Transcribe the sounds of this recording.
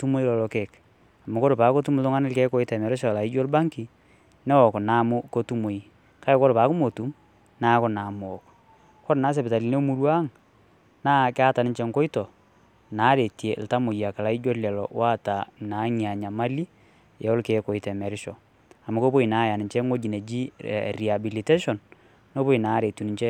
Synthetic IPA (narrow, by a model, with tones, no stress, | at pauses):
tu˦mo˦i˦lɔ˨lɔ˨ke˨k | a˨mʊ˨ko˦ɾpa˨˦ko˦tu˦m˨tʊ˦ŋa˦nɪ˦lkɛ˦ko˦i˦tɛ˨mɛ˨ɾɪ˦ʃ̬ɔ˨la˨i˦d͡ʒo˦lba˦ŋki˨ | nɛ˦wɔ˨kna˨˦mʊ˦ko˦tu˦mo˨i˨ | ka˦ɛ˦ko˦ɾpaː˦kʊ˦mo˨tu˨˦m | na˦ko˦na˨mʊ˨ɔ˨k | kɔ˦ɾna˨˦s̬e˨pɪ˨ta˨li˨ne˦mu˦ɾwa˦ŋ | naː˦kɪ˦a˦ta˨nɪ˨ɲt͡ʃɛ˨ŋko˦i˦tɔ˨ | naː˨˦ɾe˨tje˨lta˦mo˨ja˨ka˨la˦i˦d͡ʒo˦lɛ˨lɔ̰˨wʔa˦ta˨na˨˦ɲia˨ɲa˨ma˦li˦ | jɛ˨˦o˦lke˨ko˨i˨tɛ˨mɛ˨ɾɪ˦ʃɔ˨ | a˨mu˨˦ko˦po˦i˨naː˦ja˨nɪ˨ɲt͡ʃɛ˦ŋo˦d͡ʒi˨ne˨d͡ʒḭ˦ri˨a˨bi˨li˨te˦ʃɔ˨n | no˦po˦i˨na˨˦ɾe˨tu˨ni˦ɲt͡ʃɛ˦